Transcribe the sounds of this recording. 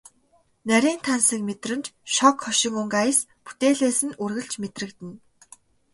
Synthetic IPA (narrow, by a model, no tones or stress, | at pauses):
næɾʲiːnt̪ʰansə̆kmet̪rɘ̆nt͡ɕʃɔkχɔʃɪ̆ŋuŋɡaj̆spu̥t̪eːɮeːsɘ̆nurɣɘ̆ɮt͡ɕmet̪rɘ̆kt̪ɘ̆n